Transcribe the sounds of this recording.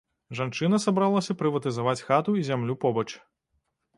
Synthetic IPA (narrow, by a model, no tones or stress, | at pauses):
ʐant͡ʂɨnɐsabɾalˠɐsʲɐpɾɨvɐt̪ɨzavat͡sʲxat̪uizʲamlʲupɔbɐt͡ʂ